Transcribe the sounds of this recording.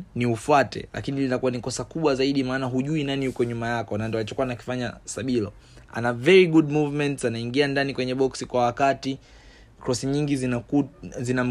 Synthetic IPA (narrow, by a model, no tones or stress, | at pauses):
niufwatɛ̰lʔa̰kinilinakuwanikɔsakuɓwazaiɗimaːnaɦuʄuinanihukɔɲumajakɔnandɔalit͡ʃɔkuwanaki̥faɲa̰saɓilɔ̰ | a̰navɛɹiɡuɗmuvmɛntsanaiŋɡiandanikwɛɲɛɓɔksikwawakati | kɾɔsiɲiŋɡiz | zinam